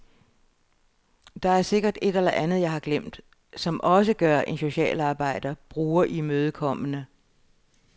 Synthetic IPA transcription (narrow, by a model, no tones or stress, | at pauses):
d̥ɑ̈æɐse̝ɡ̥ɐd̥e̝d̥elɐʔænð̩ˠjɑ̈ɪhɑ̈ɡ̥lem̰d̥ | sɒ̽mʔɒ̽səɡ̥ɶɐʔe̝nso̝ɕɛ̰ːlɑ̈ːb̥ɑ̈ɪ̰d̥ɐb̥ʁuːɐʔimøːð̞ˠkʰɒ̽m̰ənə